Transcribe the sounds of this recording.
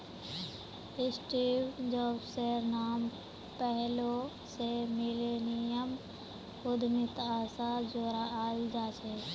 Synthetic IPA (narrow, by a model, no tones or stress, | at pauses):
ɪsʈiːwd͡ʒɔːbsenaːm | pɛɦlo | semɪleːnɪjəm | ʊd̪ʱmɪt̪aːsad͡ʒoːɾaʔaːld͡ʒaːt͡ʃʰe